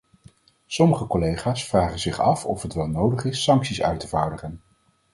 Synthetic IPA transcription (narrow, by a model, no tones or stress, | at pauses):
sɔməχəkɔlejχaːsfraːχənzɪχɑfɔfɦətʋɛlˠnowdəχɪsːɑŋksisœ̰ɥtəvaːɹdəχən